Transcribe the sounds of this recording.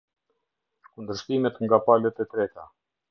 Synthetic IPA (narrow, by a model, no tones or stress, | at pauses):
kund̪əɾʃt̪imɛt̪ŋɡapalɛt̪ɛt̪ɾɛt̪a